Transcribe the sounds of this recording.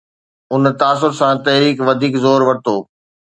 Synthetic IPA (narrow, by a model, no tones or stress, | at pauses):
ʊnt̪aːs̬ʊɾsãt̪ɐɦɾiːkʋɐd̪ʱiːkzoːɾʋɐɽt̪ʰoː